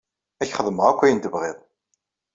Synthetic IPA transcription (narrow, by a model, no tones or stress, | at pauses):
æçχəðˤməʁækʷːæjənt̪əvʁɪðˤ